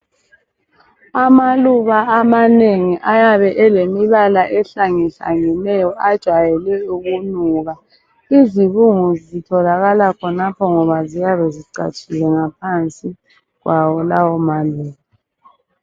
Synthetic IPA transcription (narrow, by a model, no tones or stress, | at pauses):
amaluβaːmaneŋiʔajaβɛʔɛlemiβalaʔɛɬaŋiɬa̰ŋinɛjɔʔad̥ʒ̥ʱwajɛlɛuɣunuɣa | iziβuŋuzitʰɔlaɣalakʰɔnapʰɔŋɔβazijaβɛziǀa̰t͡ʃʰʼilɛŋap̚ʰant͡sʼi | ɣwʔawɔlawɔmaluːɣa